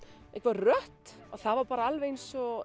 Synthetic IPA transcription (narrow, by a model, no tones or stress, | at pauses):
ɛhkvaɾrœht̪ | aɣθaðvaɾpaːɾaalvejnsɔ